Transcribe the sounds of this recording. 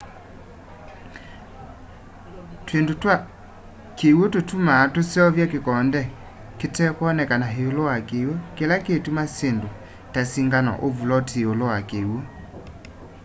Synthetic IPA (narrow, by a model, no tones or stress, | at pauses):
twendota | kewototumatosjɔvjakekɔndɛ | ketɛkwɔnɛkanaɦeolowakewokelaketumasendo | tasiŋɡanɔ̰ʔovulɔteolowakewo